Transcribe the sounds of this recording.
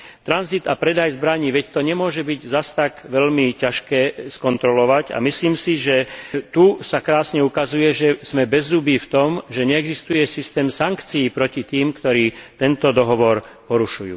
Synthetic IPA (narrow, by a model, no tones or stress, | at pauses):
t̪ɾanzit̪apɾɛd̪ajzbɾaɲiːʋɛct̪ɔɲɛmʊɔʒɛbiɟzast̪aɡʋɛʎmicaʃkɛːskɔnt̪ɾɔlɔʋaɟa̰misliːmsiʒɛt̪usakɾaːsɲɛukazujɛʒɛz̥mɛbɛzːubiːft̪ɔmʒɛɲɛːɡzist̪ujɛsist̪ɛːmsaŋkt͡siːpɾɔcit̪iːmkt̪ɔɾiːt̪ɛnt̪ɔd̪ɔɦɔʋɔɾpɔɾuʃujṵː